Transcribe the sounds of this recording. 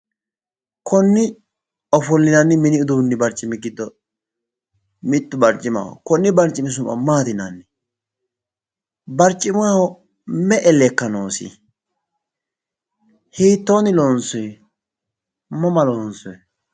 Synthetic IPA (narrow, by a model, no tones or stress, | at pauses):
kʰɔnːɪ | ɔfɔlːɪnɐnːɪmɪnɪʊd̪unːɪbɐɾt͡ʃʼːɪmɪɡɪd̪ːɔ | mɪt̪ːʊbɐɾt͡ʃʼːɪma̰ːhɔ̰kɔnːɪbɐɾt͡ʃʼɪmɪs̬ʊmːɐ̰maːt̪ɪnanːɪ | bɐɾt͡ʃʼːɪmaːhɔ | mɛʔɛlɛkːɐnoːsɪ̰ | hiːt̪ːoːnɪloːnsɔjɛ | mɔmɐloːnsɔjɛ